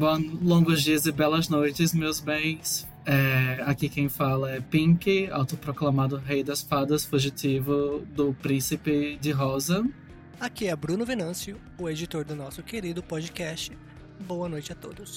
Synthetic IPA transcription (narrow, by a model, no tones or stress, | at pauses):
bõlõɡʊzd͡ʒiɐzɪbɛlɐznojt͡ʃɪsmewzbẽj̃s | ɛakikẽj̃falɐɛpĩkɪa̰wt̪ʊpɾoklamad̪ʊɦejd̪ɐsfad̪ɐsfuʒitivʊd̪ʊpɾĩsɪpɪd͡ʒɪɦɔzɐ | akiɛbɾũnʊvenɐ̃siʊ | ʊed͡ʒit̪oɾd̪ʊnɔsʊkeɾid̪ʊpɔd͡ʒɪkɛst͡ʃɪ | boɐnojt͡ʃɪat̪o̰d̪ʊs